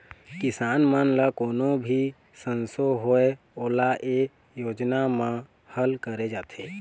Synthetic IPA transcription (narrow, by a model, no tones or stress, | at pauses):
kɪsaːnmənləkoːnobʱi | sənsoɦoe | oːlaʔe | joːd͡ʒnamã | həlkəɾed͡ʒaːt̪ʰeː